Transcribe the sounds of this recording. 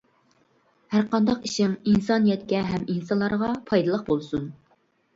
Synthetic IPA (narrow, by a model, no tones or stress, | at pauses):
hæɾqɑnd̪ɑqiʃɪŋinsɑnijɛt̪kʲɛɦɛminsɑnlˠɑɾʁɑpʰɑjd̪ɨlˠəq̚bolˠsun